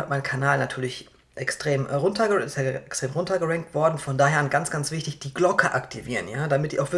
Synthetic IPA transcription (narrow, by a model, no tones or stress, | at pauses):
atmaɪnkʰanaːlnatʰyːɐlɪç | ʔɛkstʁ̥eːmʁʊntɐɡəɪstjaʔɛkstʁ̥eːmʁʊntɐɡəʁɛŋk̚tv̥ɔɐdn̩fɔndaːɦeːɐnɡant͡sɡ̥ant͡sv̥ɪçtɪçd̥iːɡlɔkəʔaktʰiviːʁənjaːdamɪt̚d̥iːaʊxv̥ɪɐ